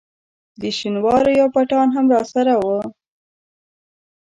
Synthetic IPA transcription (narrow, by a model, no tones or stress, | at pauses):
d̪əʃinwɑɾojɑwpaʈɑnɦamɾɑsaɾawə